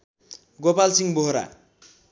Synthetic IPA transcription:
ɡopalsiŋboɦɾa̰

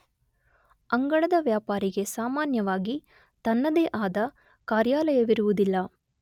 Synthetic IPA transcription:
ɐŋɡɐɭɐd̪ɐʋjaːpaːɾiɡe̞saːmaːnjɐʋaːɡi | t̪ɐnːɐd̪eːʔaːd̪ɐ | kaːɾjaːlɐjɐʋiɾuʋud̪ilːɐ

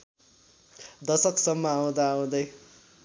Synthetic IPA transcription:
d̪ʌsʌksʌmːʌaw̃d̪aːw̃d̪ʌj

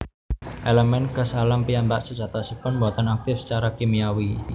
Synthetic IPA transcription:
ʔeləmɛnkəsalampiambaʔsə̥d͡ʒ̥a̤t̪asipʊnbuat̪anak̚t̪ɪfsə̥t͡ʃaɾakemiawi

